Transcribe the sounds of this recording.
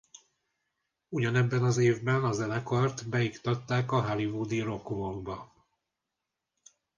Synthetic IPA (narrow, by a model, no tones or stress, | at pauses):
uɟɒnɛbːɛnɒzeːvbɛnɒzɛnɛkɒrt̪bɛikt̪ɒt̪ːaːkɒɦalivud̪iɾo̞kumoŋbɒ